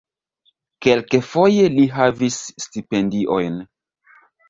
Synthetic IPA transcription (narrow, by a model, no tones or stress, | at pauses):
ke̞lkefo̞je̞liɦavisːtipe̞ndiʔo̞jn